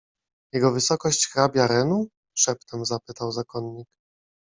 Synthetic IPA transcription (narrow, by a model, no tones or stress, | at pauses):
jɛɡɔvɘsɔkɔɕt͡ɕxɾabʲjaɾɛnu | ʂɛpt̪ɛmzapɘt̪awzakɔnːik